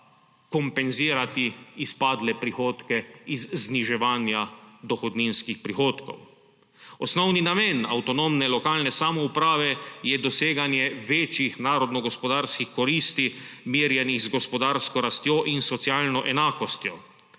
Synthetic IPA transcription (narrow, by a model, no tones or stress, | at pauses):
kɔmpɛnziːɾat̪iispaːd̪lɛpɾixoːt̪kɛizzniʒɛʋaːnjad̪ɔxɔd̪ninskixpɾixoːt̪kɔ̰w | ɔsnɔwninamɛna̰wt̪ɔnomnɛlɔkaːlnɛsaːmɔupɾaːʋɛjɛd̪ɔseːɡanjɛʋeːt͡ʃjixnaːɾɔd̪nɔɡɔspɔd̪aɾskixkɔɾiːst̪i | miːɾjɛniɣzɡɔspɔd̪aːɾskɔɾast̪joʔinsɔt̪sjaːlnɔʔɛnaːkɔst̪jɔ